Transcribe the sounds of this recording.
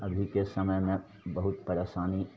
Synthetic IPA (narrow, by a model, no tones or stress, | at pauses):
ɐbʱikesɐməjmẽ | bɐɦʊt̪̚pɐɾeːʃaːni